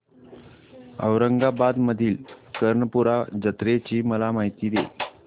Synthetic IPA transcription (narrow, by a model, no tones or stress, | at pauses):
ə̰wɾəŋɡabad̪məd̪ʱiːlkəɾɳəpuɾad͡ʑət̪ɾet͡ɕiːməlamaɦit̪iːd̪e